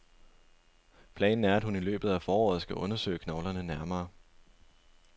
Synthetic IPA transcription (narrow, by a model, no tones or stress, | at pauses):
pʰlɛ̰ːnn̩æɐæd̥hunilø̰ːb̥ð̩ˠæfɒːɒ̰ːð̩ˠsɡ̥æʔɔ̽nɐsø̰ːɪkʰnɒʊlɐnənæɐmɐː